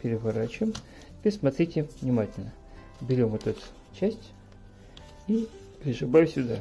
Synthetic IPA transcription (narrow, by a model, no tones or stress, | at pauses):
pʲɪɾʲɪvɐɾat͡ɕʊɪm | pʲɪsmɐt̪ɾʲitʲɪvnʲɪmatʲɪlʲnə | bʲɪɾʲomot̪ut̪ | t͡ɕæsʲtʲ | ipʲɾʲɪʂɨbajʲsʲʊd̪a